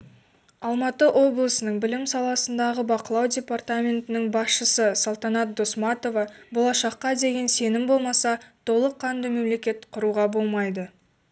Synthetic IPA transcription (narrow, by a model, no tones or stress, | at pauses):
ɑlˠmɑt̪əʔo̞blˠəsənəɴbɪlɪmsɑlˠɑsənd̪ɑʁəbɑqəlˠɑwdʲe̞part̪amʲe̞nt̪ɪnɪŋbɑsʃəsəsolˠt̪ɑnɑt̪̚d̪o̞smɑt̪o̞vɑbo̞lˠɑʃɑqːɑd̪e̞ɡʲe̞nse̞nɪmbo̞lˠmɑsɑt̪ʰo̞lˠəqʰːɑnd̪ɑme̞mle̞kʲe̞t̪qʰʊɾuʁɑbo̞lˠmɑjd̪ə